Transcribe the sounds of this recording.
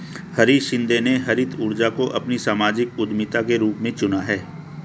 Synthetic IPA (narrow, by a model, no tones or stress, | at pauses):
hɐɾiʃɪ̃nd̪eneɦɐɾɪt̪ʰʊɾd͡ʒakoʔɐpnisaːmaːd͡ʒɪkʊd̪mɪt̪akeɾuːpmẽt͡ʃʊnaɦɛː